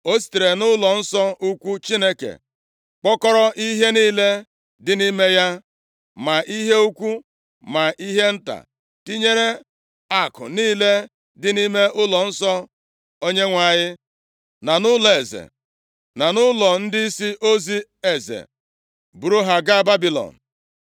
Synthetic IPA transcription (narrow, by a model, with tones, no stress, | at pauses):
o˦s̬i̥˨te˨ɾe˨nʊ˦lɔ˨n̩˦sɔ˦u˦kʷu˦t͡ʃi˦ne˦kḛ˨ | k͡pɔ˦kɔ˦ɾɔ˦ʔi˦ɦe˦niː˦le˦ | dɪ˨ni˦me˦ja˦ | ma˨i˦ɦe˦u˦kʷu˦ | ma˨ʔi˦ɦe˦n̩˦ta̰˨ | ti˦ɲe˦ɾe˦ | a˨kʊ̰˨niː˦le˦ | dɪ˨ni˦me˦ʔʊ˦lɔ˨n̩˦sɔ˦ | o˦ɲe˦ŋʷa˨ɲɪ˦ | na˨nʊ˦lɔ˨e˨zḛ˨ | na˨nʊ˦lɔ˨n̩˦dɪ˦i˦si˦ʔo˦zi˦ | e˨zḛ˨ | bu˨ɾu˦ɦa˨ɡa˦a˦˨ba˦bi˨lɔ̰˨n̩˨